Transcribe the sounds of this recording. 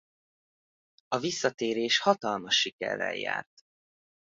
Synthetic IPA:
ɒvisːɒt̪eːɾeːʃhɒt̪ɒlmɒʃːikɛ̰rːɛ̰jja̰ːrt̪

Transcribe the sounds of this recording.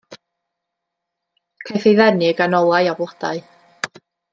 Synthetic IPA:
kʰejθejðɛnɪɡanɔlˠajablɔd̥a̰ɨ

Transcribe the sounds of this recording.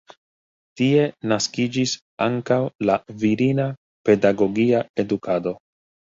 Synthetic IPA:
tie̞naskid͡ʒis | aŋkawlaviɾina | pe̞daɡo̞ɡiae̞dukʰado̞

